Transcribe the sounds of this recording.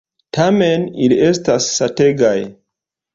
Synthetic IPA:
tʰamenilie̞stasːate̞ɡaj

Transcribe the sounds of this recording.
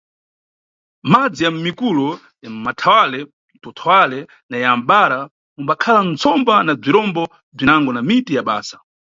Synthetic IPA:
mad͡zijam̩mikulɔ | jam̩matʰawalɛ | n̩tɔtʰɔwalɛ | najam̩ɓaɾa | umbakʰalant͡sʰɔmbanab͡ʐiɾɔmbɔ | b͡ʐinaŋɡɔnamitijaɓa̰ːsḁ

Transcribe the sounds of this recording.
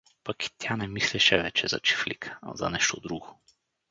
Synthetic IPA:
paki̥t̪ʲjanɛmislɛʃɛvɛt͡ʃɛza̰t͡ʃi̥flikʰḁ̰za̰nɛʃt̪od̪ɾuɡo

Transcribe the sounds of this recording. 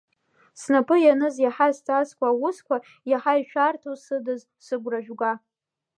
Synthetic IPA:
snapʼɨjanɨzjaħastʼaskʷʰaːwʊskʷa | jaħajiʃᶣartʰosɨdɨz | sɨɡʷraʒᶣʷɡʷa

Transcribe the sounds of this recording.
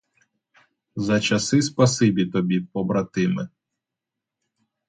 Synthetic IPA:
zɐt͡ʃɐsɪspɐsɪbʲit̪ɔbʲipɔbɾɐt̪ɪmɪ

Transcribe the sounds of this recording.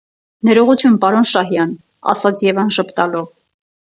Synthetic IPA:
nɛɾɔʁut͡sʰjunpɑɾɔnʃɑɦjɑn | ɑ̰sɑt͡sʰjɛvɑnʃəpʰt̪ɑlɔv

